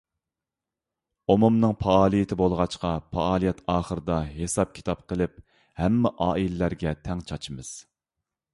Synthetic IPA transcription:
omumnɨŋpʰɑɑːlˠijɪt̪ʰɪbolˠʁɑt͡ʃqɑpʰɑɑːlˠijɛt̪ɑːχəɾɨd̪ɑɦesɑp̚kʲʰi̥t̪ʰɑp̚qʰəlˠɪp | hɛmːɛʔɑːʔilɪlæɾɡʲɛt̪ʰɛŋt͡ʃʰɑt͡ʃʰimɨz̥

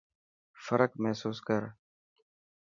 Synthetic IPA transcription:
fəɾəkmɛɦsuːskəɾ

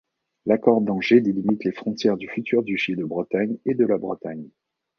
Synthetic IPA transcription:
lakɔʁd̪ɑ̃ʒed̪elimit̪lefχɔ̃t̪jɛʁd̪yfyt̪ʰyʁd̪yʃed̪əbʁət̪aɲed̪əlabʁə̰t̪aɲ

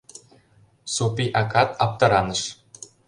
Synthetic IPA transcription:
supiʔɑkɑt̪ɑp̚t̪ɤ̆ɾɑnɤ̆ʃ

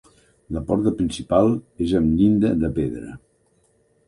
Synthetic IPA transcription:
ləpɔɾt̪əpɾinsipalˠezəmlind̪əðəpeðɾə̰

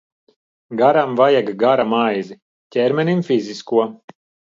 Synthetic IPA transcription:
ɡaɾamvajaɡaɡaɾamajzi | cʲɛɾmʲɛnʲimfizʲiskuɔ

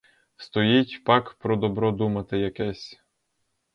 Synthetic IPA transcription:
st̪ɔjitʲpɑkpɾɔd̪ɔbɾɔd̪umɐt̪ɪjɐkɛsʲ

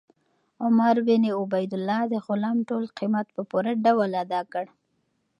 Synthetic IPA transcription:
ʊmaɾbɪniʊbajd̪ʊlːɑd̪əxʊlɑmʈolqimat̪pəpuɾaɖawalad̪ɑkəɽ

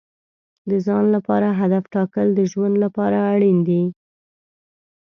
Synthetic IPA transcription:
d̪əzɑnlapɑɾaɦad̪afʈɑkəld̪əʒwand̪lapɑɾaːɽind̪i

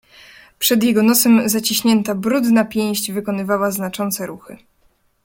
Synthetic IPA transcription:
pʂɛd̪jɛɡɔnɔsɛmzat͡ɕiɕɲɛnt̪abɾud̪napʲjɛ̃j̃ʑd͡ʑvɘkɔnɘvawaznat͡ʂɔnt̪sɛɾuxɘ̰

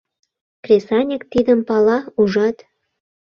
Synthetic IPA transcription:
krʲesɑnʲekt̪id̪əmpɑlɑuʒɑt̪

